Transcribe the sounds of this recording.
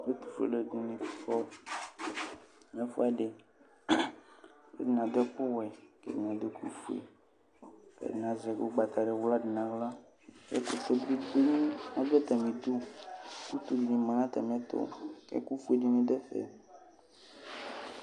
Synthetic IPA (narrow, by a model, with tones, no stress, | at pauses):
e˦t̪u̥˨fḛ˨le˦du˨nẽ˨˦fɔ˦ | mẽ˦fu˦a˨ɖe˨ | ḛ˦di˨nã˨d̪ɔ˦k͡po˦wɛ˨kḛ˦di˨nã˨d̪o˦ku˦fu˦ḛ˨ | kḛ˨dnã˨zɛ˨ɡo˦ɡ͡ba˨t̪a˨ɖe˨wu˦la˦ɖi˨nã˨ɣla˦ | jḛ˦t̪o˨t̪o˦d̪ɾi˦ɡ͡be˦ɲĩ˦nã˦be˦t̪a˨mĩ˨d̪u˦ku˦t̪u˦d͡ʒĩ˨mã˨nã˦t̪a˨m˦ɛ̃˦t̪o̰˦kḛ˦ku˦fu˦e˨ɖi˦nĩ˨ɖe˦fḛ˨